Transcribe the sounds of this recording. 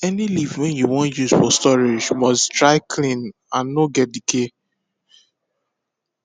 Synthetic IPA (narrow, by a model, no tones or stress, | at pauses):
ɛnilivwɛ̃njuwɔ̃njusfɔstɔɹed͡ʒmɔstɹaɪkʰlĩn | ãnːoɡɛt̚dikʰe